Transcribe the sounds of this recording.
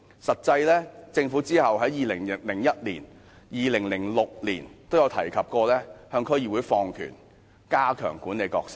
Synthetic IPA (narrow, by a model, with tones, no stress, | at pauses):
sɐ˨t̚t͡sɐ˧jlɛː˥t͡sɪ˧ŋfuː˨˥t͡siː˥hɐ˨wɦɐ˨˥jjiː˨lɪ˨˩ŋllɪ˨˩ŋjɐ˥t̚liː˨˩n | jiː˨lɪ˨˩ŋlɪ˨˩ŋlʊ˨k̚lḭː˨˩nt̪o˥wjɐ˨˧wt̪ʰɐ˨˩jkʰɐ˨p̚kɔː˧lɛː˥hœː˧ŋkʰɵ˥ɥjiː˨˩wuː˨˧jfɔː˧ŋkʰy̰˨˩n | kaː˥kʰœ̰ː˨˩ŋkuː˨˥nle˨˧jkɔː˧k̚sɪ̥˥k̚